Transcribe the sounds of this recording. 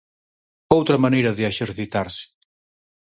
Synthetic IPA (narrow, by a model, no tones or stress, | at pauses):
owt̪ɾamaneɾaðeɛʃeɾθit̪aɾse̥